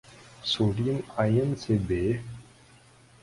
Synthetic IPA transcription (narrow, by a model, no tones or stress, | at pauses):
soɽinajənsebe